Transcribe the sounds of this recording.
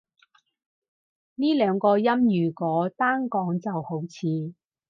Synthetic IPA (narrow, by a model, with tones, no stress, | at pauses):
niː˥lœː˨˧ŋkɔː˧jɐ˥mjyː˨˩kɔː˨˥t̪aː˥ŋkɔː˨˥ŋt͡sɐ˨who˨˥wt͡sʰiː˨˧